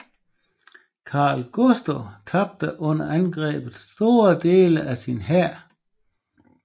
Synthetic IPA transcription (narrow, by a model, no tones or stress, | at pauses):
kʰɑ̈ːlɡ̥osd̥ot͡sʰɑ̈b̥̚d̥əʔɔ̽n̰ɐʔænɡ̥ʁɛ̰ːb̥ð̩ˠsd̥o̝ːɐd̥e̝ːləʔæsinɦæɐ̰